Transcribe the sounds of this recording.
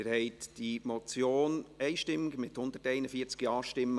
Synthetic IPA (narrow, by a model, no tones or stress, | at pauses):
ɾhɛɪtd̥imɔt͡sjoːnɛɪʃtɪmːɪɡmɪthʊnd̪ətɛɪnəfiəɾt͡sɡ̥jɑːʃtɪmːə